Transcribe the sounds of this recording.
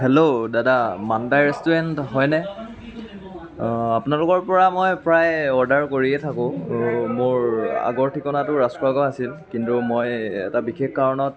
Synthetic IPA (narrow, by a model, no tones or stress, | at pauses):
hɛlodadamandajɹɛstuɹɛntɦɔjnɛ | apʊnalʊkɔɹpɔɹamojpɹajɔɹdaɹkoɹiɛtʰakʊ̃mʊɹa̰ɡɔɹtʰikɔnatʊɹastɔaɡɔasilkintumojɛ̰tabikʰekkaɹɔnɔt̚